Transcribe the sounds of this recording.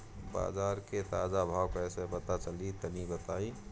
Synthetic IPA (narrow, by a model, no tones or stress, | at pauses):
ba̰ːzaːɾket̪aːd͡ʒabʱaːwpɛːsepət̪at͡ʃəlit̪ənibət̪aːi